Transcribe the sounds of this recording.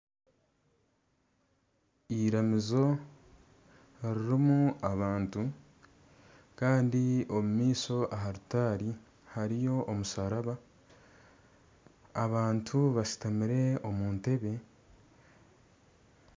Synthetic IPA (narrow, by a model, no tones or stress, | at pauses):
iɾamizo̞ | ɾiɾimuaβaːntu | kaːndio̞mumiːso̞ʔaɦaɾutaːɾi | haɾijo̞ʔomusaɾaβa | βaːntʰuβasi̥tamiɾe̞o̞muːnte̞βe̞